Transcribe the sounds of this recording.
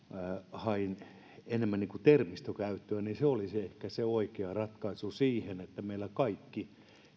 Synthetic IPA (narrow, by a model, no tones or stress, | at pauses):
hɑin | enemːænniːkut̪ermist̪okæyt̪ːøæniseoliseehkæseoikeɑrɑt̪kɑisusiːhenet̪ːæmeilækɑikːi